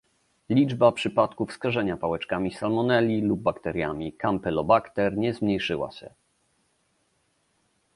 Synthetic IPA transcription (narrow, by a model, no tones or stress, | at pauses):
lʲid͡ʐbapʂɘpat̪kufskaʐɛɲapawɛt͡ʂkamʲisalmɔnɛlʲilub̚ːakt̪ɛɾja̰mʲikampɛlɔbakt̪ɛɾɲɛzmɲejʂɘwa̰ɕɛ̰